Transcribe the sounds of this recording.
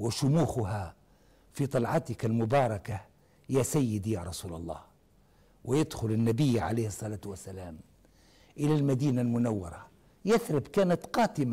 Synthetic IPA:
wɪʃʊmuːxʊɦa | fit̪ˤɑlʕɑt̪ɪkalmʊbɑːɾˤɑka | jæsæjːɪd̪ijɑɾˤɑsuːlɑ̰lˤːɑ̰ːh | wɪjad̪xʊlɪnːæbɪjːʕa̰lejhɨsˤːɑlaːt̪wasːalæːm | ʔɪlælmæd̪iːnalmʊnawːɑ̰ɾˤɑ | jɪθɾɪbkæːnat̪qɑːt̪ɪma

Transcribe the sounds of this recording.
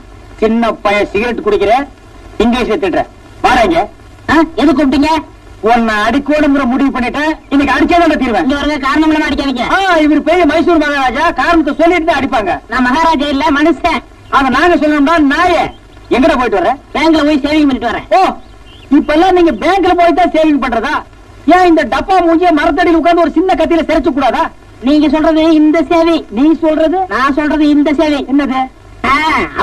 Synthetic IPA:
t͡ʃɪnːɐpːɐjɐsɪɣɪɾɐʈːɯkʊɽɯkːɪɾe | ɪŋɡleːsɐt̪ːɪʈːɾɛ̰̃ː | maːɾaːŋɡɐ | aːɛðɯkːɔpʈːɪːŋɡɐ | ɔnːɐɐɽɪkːoːnɯŋɡɪɾɐ̃mʊɽɪʋɯp̬ɐɳːɪʈːɯɪnːɐkːɐɽɪt͡ʃːaːnaːnɐt̪iːɾʋẽɪŋɡɐʋɐɾɯŋɡɐkaːɾɐnɐmɪlɐmaːɐɽɪkːɐʋiːŋɡɐaːɪʋɐɾɯpeɾɪjɐmɐɪs̬uːɾmɐɣaːɾaːd͡ʒaːkaːɾɐɳɐt̪̬ːɐsɔlːɪɪʈːɯnːaːɐɽɪpːaːŋɡɐnãːmɐɣaːɾaːd͡ʒaːɪlːɐmɐnɐsɛ̃ | aːɣɐnaːŋɡɐsɔlːɐmnaːnaːjɛ̃ | ɛŋɡɛɽɐp̬oːjɪʈːɯʋɐɾɛ̃ːb̥eːŋkɯlɐpoːjiseːʋɪŋɡɐpɐɳːɪʈːɯʋɐɾɛ̰̃ːoː | ɪpːoɛlːãːniːŋɡɐbeːŋkɪlɐp̬oːjit̪ːãːseːʋɪŋɡɐpɐɳːɾɐðãː | jãːɪnd̪ɐɖɐpːaːmuːɲd͡ʒjɐmɐɾɐt̪̬ːɐɽɪjɪlʊkːaːnd̪ɐɔɾɯsɪnːɐkɐt̪̬ːɪjɪlɐsɛɾɐt͡ʃːɯk̬ːuːɽaːðaː | niːŋɡɐsɔlrɐðɯɪnd̪ɐseːʋiniːŋɡɐsɔlɾɐðɯnãːsɔlrɾɐðɯɪnd̪ɐseːʋiɛnːɐðɯ | ãːɐ

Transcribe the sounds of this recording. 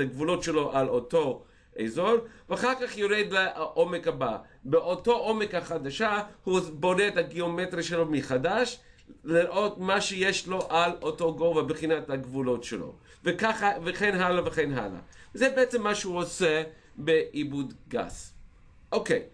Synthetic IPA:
aɡvulo̞tʃelo̞ʔaloto̞ | ʔḛzo̞nveaχaʁkaχjoɾed̪̚baaʔomekaba̰ | beʔoto̞ʔomekhaχadaʃahuboneethaɡiometɾiʃelomiχadaʃ | liɾʔo̞tmaʃejeʃloʔaloto̞ɡo̞vabeχinathaɡvulo̞tʃelo̞̰ | vekaχaveχenɦalaveχenɦa̰la̰vezɛbeet͡semːaʃehuose | beʔibudɡa̰s | ʔokej

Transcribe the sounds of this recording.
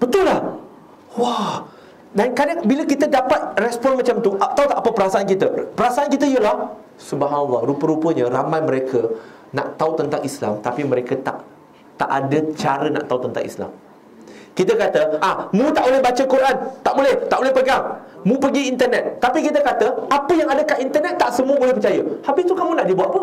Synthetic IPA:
b̥ət̪ʊlːah | wa | dankadaŋbiləkit̪ədapat̪̚rɛspɔnmat͡ʃamt̪uʔat̪awt̪aʔapəpəɾasaankit̪əpəɾasaʔankit̪əijəlah | subaɦanalːɔɾupəɾupəɲə̃ɾamãjmə̃ɾekʰə | na̰ʔt̪aut̪ənt̪aŋisla̰mt̪apiməɾekət̪a̰ʔ | t̪a̰ʔa̰dət͡ʃaɾəna̰ʔt̪aut̪ənt̪a̰ŋḭsla̰m | kit̪əkat̪əʔamũt̪aʔbolɛhbat͡ʃəkuɾʔant̪aʔbolɛht̪aʔbolɛhpəɡaŋ | mũpəɡiːnt̪ərnɛt̪̚ːapikit̪əkat̪əapəjaŋadəkaʔint̪ərnɛt̪ːaʔsəmuəbolɛhpət͡ʃajəhabɪst̪ukamũnaʔdibuat̪̚pə

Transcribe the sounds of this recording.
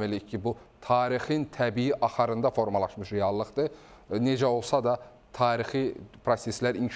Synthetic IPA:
velicʰːibut̪ʰɑːɾixint̪ʰæbijiʔɑχæɾɯnd̪ɑfo̞ɾmɑlˠɑʃmɯʃɾejɑlˠːɯχd̪ɯ | ned͡ʒæo̞lˠsɑd̪ɑ | t̪ʰɑːɾixipʰɾoseslæɾinʰ

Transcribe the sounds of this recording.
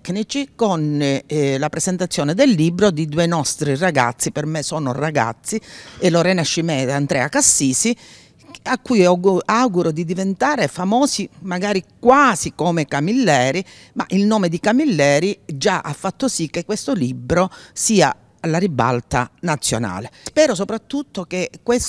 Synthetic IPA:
knit͡ʃikon | lapɾezent̪at̪sːjɔːned̪elːibɾod̪id̪uenɔst̪ɾiraɡa̰t̪sːipermesɔːno̰raɡa̰t̪sːieloɾɛːnaʃimɛːd̪and̪ɾɛ̰ːakasːiːsi | akːujauawɡuɾod̪id̪ivent̪aːɾefamɔːsimaɡaːɾikwaːsikomekamilːɛːɾi | ma̰ʔilnoːmed̪ikamilːɛːɾid͡ʒaʔafːat̪ːosik̟ːekwest̪olibɾosiːa | alariba̰lt̪a̰nat̪sːjo̰na̰ːlespɛːɾosopɾat̪ːut̪ːokekːwes

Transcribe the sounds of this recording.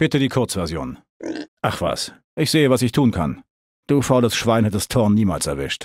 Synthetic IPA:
b̥ɪtədiːkʰʊɐt͡sv̥ɛɐzjo̰ːn | ʔaχv̥a̰s | ʔɪçz̥eːəvasɪçtʰuːnkʰa̰n | d̥uːfɔləsʃv̥aɪnhɛtdastʰɔɐnːiːma̰ːlsɛɐvɪ̰ʃt

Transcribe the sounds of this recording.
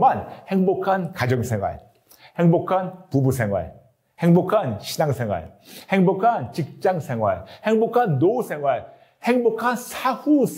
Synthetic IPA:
manheŋbokʰankad͡ʑʌŋsʰeŋwa̰ɭ | heŋbokʰanpubusʰeŋwa̰ɭ | heŋbokʰanɕʰinaŋsʰe̞ŋwa̰ɭ | heŋbokʰant͡ɕik̚t͡ɕ͈aŋsʰeŋwa̰ɭheŋbokʰanːousʰeŋwaɭ | heŋbokʰansʰahus

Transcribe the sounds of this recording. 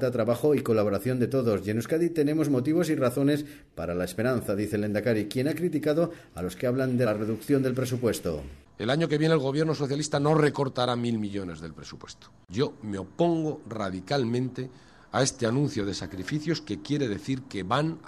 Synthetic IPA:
t̪at̪ɾaβaxo̞iko̞laβo̞ɾaθjo̞nd̪e̞t̪o̞ðo̞sʝe̞nuskaðit̪e̞nẽ̞mo̞zmo̞t̪̬iβ̞o̞siraθo̞ne̞s | paɾalaespeɾanθaðiθele̞nd̪akaɾikje̞nakɾit̪ikaðo̞ | alo̞skeaβland̪ere̞ðukθjo̞nd̪e̞lpɾe̞supwe̞st̪o̞̰ | elaɲo̞keβje̞neːlɣo̞βje̞ɾno̞soθjalist̪ano̞re̞ko̞ɾt̪aɾamilmiʎo̞ne̞zðe̞lpɾe̞supwe̞st̪o̥ɟ͡ʝo̞meo̞po̞ŋɡo̞ra̰ðikalmẽ̞nt̪e | ae̞st̪eanũn̟θjo̞ð̞e̞sakɾifiθjo̞ske̞kje̞ɾe̞ðe̞θiɾkeβan

